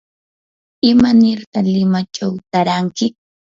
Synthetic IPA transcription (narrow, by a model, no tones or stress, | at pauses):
ɪmanɪɾqɑlɪmat͡ʃawt̪aɾaŋkɪ